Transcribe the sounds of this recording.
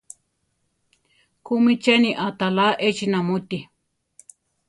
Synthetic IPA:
kumĩt͡ʃenĩʔat̪alaʔet͡ʃinãmũt̪i

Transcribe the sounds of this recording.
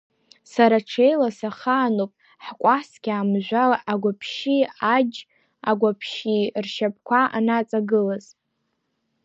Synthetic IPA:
saɾaʈ͡ʂʰejlasaχaːnopʼ | ħkʷʼasɡʲaːmʒᶣʷalaʔaɡʷapʰʃiad͡ʒ | aɡʷapʰʃirʃap̚ʰʼkʷaa̰nat͡sʼaɡɨlaz

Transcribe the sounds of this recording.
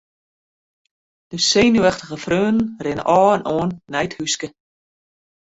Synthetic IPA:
d̥əseːnyɛxtəɣəfrøːnn̩rɪnə̰ʔɔːənʔoənːɛjthyskə

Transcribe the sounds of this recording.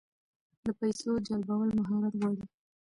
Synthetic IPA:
d̪əpajsod͡ʒalbawalmaɦɑɾat̪ɣwɑɽi

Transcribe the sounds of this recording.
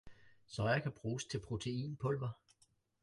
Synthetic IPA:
sɒ̽jɐkʰæb̥ʁuːst͡sʰe̝lpʰʁo̝t͡sʰe̝ḭːnpʰɔ̽l̰ʋɐ

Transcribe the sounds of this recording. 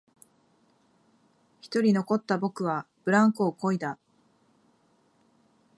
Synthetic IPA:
çi̥t̪o̞ɾʲino̞ko̞t̪ːabo̞kɯ̟β̞ab̥ɯ̟ɾãŋkɯːko̞id̪a

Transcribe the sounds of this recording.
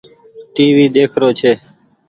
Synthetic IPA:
ʈiːʋiːd̪eːkʰɾoːt͡ʃʰeː

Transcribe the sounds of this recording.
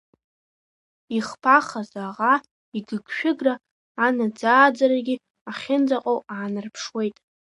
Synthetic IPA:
iχpʰaχazaʁa | iɡɨɡʃᶣɪɡraː | nad͡zaːd͡zaɾaɡʲi | aχʲɪnd͡zaqʼowaːnɨrpʰʂwe̞jtʼ

